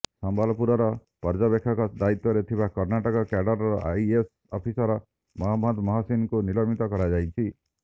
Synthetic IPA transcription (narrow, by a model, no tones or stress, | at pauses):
sɔmbalɔpuɾɔɾɔ | pɔɾd͡ʒɔbekʰːɔkɔd̪ait̪wɔɾet̪ʰibakɔɾnaʈɔkɔkaɖɔɾɾɔʔa̰jes | ɔpʰisɔɾɔ | mɔɦamɔd̪mɔɦasinkunilɔmit̪ɔkɔɾad͡ʒajt͡ʃʰi